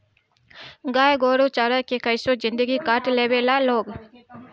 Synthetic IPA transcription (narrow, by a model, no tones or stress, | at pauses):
ɡaːjɡoːɾot͡ʃaːɾakekəɪsozɪ̃nd̪əɡikaʈleːbeːlaloːɡ